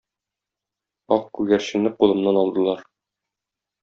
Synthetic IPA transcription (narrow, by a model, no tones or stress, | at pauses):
ɒq̚kʉɡæɾɕɘ̆nɘqulˠɤ̆mnɑnɒlˠd̪ɤ̆lˠɑɾ